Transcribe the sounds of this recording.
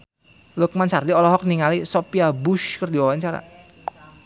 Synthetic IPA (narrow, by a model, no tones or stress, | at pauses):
lʊk̚mansardiɔlɔɦɔk̚niŋalisopiabʊʃkərdiwawaɲt͡ʃaɾa̰